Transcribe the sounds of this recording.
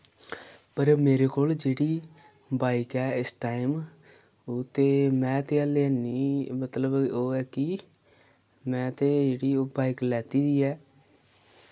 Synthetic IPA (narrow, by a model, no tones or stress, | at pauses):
pəɾmeːɾeːkoːld͡ʒeːɽiː | baːɪkɛːɪsʈaːɪm | ʊt̪ːeːmɛ̃ːt̪eːəleːənːiːmət̪ləboːɛːkɪ | mɛ̃ːt̪eːd͡ʒeːɽiːoːbaːiklɛːt̪iːd̪iːɛː